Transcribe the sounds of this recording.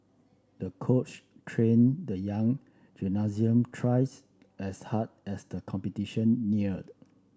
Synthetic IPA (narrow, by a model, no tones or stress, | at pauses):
dəkʰot͡ʃtʰɹẽndəjãŋ | d͡ʒunaziə̃mtʰɹajs | ʔɛshad̚ɛsdəkʰɔ̃mpɛtiʃə̃nːiɹət̚